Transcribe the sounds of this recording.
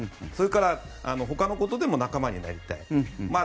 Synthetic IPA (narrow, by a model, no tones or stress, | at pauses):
so̞ɾekaɾa | ano̞ɦo̞kano̞ko̞t̪od̪e̞mo̞nakamaɲ̟ina̰ɾʲit̪a̰ima